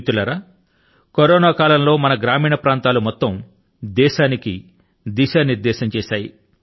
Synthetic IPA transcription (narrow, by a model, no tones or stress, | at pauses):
t̪ulɐɾaː | koɾɔːnaːkaːlɐmlo̞ːmɐnɐɡɾaːmiːɳɐpɾaːnt̪aːlumɔt̪ːɐm | d̪ɛːʃaːniki | d̪iʃaːniɾd̪ɛːʃɐmt͡ʃɛːʃaːji